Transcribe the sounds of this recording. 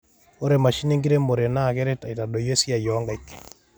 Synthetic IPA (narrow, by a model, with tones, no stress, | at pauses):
o˦ɾe˨ma˨ʃi˦ne˦ŋɡi˦ɾe˦mo˨ɾe˨na˦˨kɛ˦ɾe˦ta˨i˨ta˨ɗo˨je˦si˦a˨jɔ˦ŋɡa˦ik